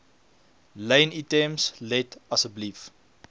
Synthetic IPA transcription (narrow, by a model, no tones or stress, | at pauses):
lə̃jnitɛmslɛtɐsəblif